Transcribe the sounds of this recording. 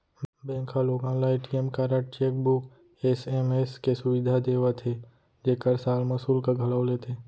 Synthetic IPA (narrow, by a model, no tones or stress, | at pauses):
bẽːkʰaloːɡãːlaeːʈijemkaːɾaʈ̚t͡ʃeːk̚bʊk | eːsemeːskesʊʋɪd̪ʱad̪eːʋat̪ʰe | d͡ʒeːkəɾsaːlmɐsuːlkaɡʱɐlaʊlet̪ʰeː